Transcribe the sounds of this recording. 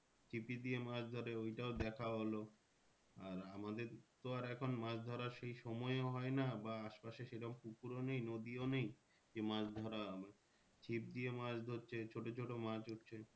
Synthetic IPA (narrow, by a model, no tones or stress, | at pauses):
t͡ɕʰipid̪ijemãd͡ʑd̪ʱoɾeojʈaod̪ɛkʰaɦolo | aɾamad̪eɾt̪oaɾɛkʰonmãd͡ʑd̪ʱɔɾaɾʃejʃɔmɔeoɦɔenabaaʃpaʃeʃeʈɔmpukuɾonejnod̪ionej | d͡ʑemãd͡ʑd̪ʱɔɾabe | t͡ɕʰip̚d̪iemãd͡ʑd̪ʱoɾt͡ɕʰet͡ɕʰoʈot͡ɕʰoʈomãd͡ʑotːt͡ɕʰe